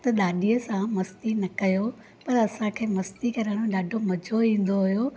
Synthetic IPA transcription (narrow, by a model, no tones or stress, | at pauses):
t̪ɐɗ̪aːɗijəsãmɐst̪inɐkɐjo | pɐɾɐsãkʰeːmɐst̪ikɐɾaːɽ̃õɗaːɖʱomɐd͡ʑʱoĩːn̆d̪oɦujo